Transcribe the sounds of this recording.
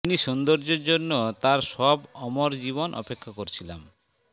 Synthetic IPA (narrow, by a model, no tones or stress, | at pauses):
iniʃund̪oɾd͡ʑeɾd͡ʑonːot̪aɾʃɔbɔmoɾd͡ʑiβonʔɔ̰pekʰːakoɾt͡ɕʰila̰m